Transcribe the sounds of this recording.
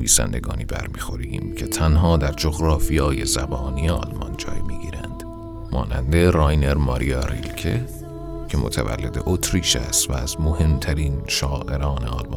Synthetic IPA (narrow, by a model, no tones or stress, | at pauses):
iːsæ̰nd̪eɡɒːniːbæɾmiːxo̞ɾimcʰe̞t̪ʰænɦɒːd̪æɾd͡ʒoɣɾɒːfijɒːje̞zæbɒːnijeɒ̰lmɒ̰nd͡ʒɒ̰ːjmiːɡiːɾænd̪̥ | mɒːnænd̪e̞rɒjneɾmɒɾiɑɾḭlcʰe | cʰemot̪ʰævæ̰lːe̞d̪eʔot̪ʰɾiːʃæst̪væːzmohe̞mt̪ʰæɾiːnʃɒːʔe̞ɾɒːne̞ɒːlmɒ